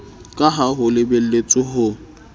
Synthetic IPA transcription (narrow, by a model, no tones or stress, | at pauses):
kʼaɦaɦʊlɪbel̩let͡sʼɪɦʊ